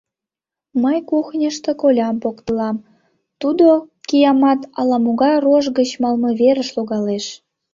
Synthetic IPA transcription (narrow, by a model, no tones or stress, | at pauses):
məjkuxnʲə̆ʃt̪ĕkolʲɑmpokt̪əlɑm | t̪ud̪okijɑmɑt̪ɑlɑmoɣɑroʒɡə̆t͡ɕmɑlmɤβeɾəʃloɣɑleʃ